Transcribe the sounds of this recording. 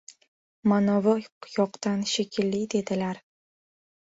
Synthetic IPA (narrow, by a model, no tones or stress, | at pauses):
manɒvajɒqt̪anʃekʲʰɪlːid̪e̞d̪ɪlaɾ